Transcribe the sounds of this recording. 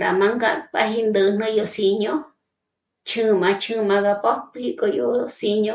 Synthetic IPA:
ɾa˨mã˧ŋɡa˧pa˧ɦi˧nd̪ɨ˧˨˧n̥nɨ̃˦jo˧si˧ɲõ˦ | t͡ʃʰɨ̃˦mã˧t͡ʃʰɨ̃˦mã˧ɣa˧po˦pli˦˧ko˧jo˧˦si˧ɲõ˦

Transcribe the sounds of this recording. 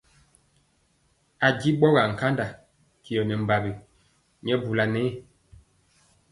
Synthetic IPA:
a˨ɡi˦ɓɔ˦ɣa˨ŋ̩˨ka˦nda˨ | ki˨ɔ˨nɛ˨m̩˨ba˨bi˨ | ɲ˦ɛ˦bu˨la˨nɛː˦˨

